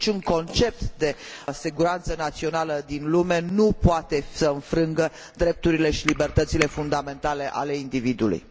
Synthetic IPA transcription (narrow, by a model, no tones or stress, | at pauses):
t͡ʃuŋko̞nt͡ʃe̞p̚t̪d̪e̞siɡuɾant̪sənat̪sio̞naləd̪inlume̞nupoat̪e̞səɨnfɾɨŋɡə | d̪ɾe̞p̚t̪uɾile̞ʃilibe̞rt̪ət̪sile̞fund̪ame̞nt̪ale̞ʔa̰le̞ind̪ivid̪uulṵj